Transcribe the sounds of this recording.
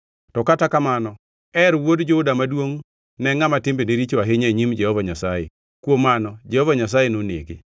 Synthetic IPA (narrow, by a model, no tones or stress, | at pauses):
tɔkatakamanɔ | ɛɾwodd͡ʒoʊdamadwoŋ | nɛŋamatɪmbeneɾit͡ʃowaɦeɲeɲimd͡ʒɛhɔvaɲasajḛ | kwomanɔd͡ʒɛhɔvaɲas̬ajenonḛɡḛ